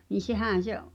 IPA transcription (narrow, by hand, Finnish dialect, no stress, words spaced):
ni sehæˑn̞ seʔ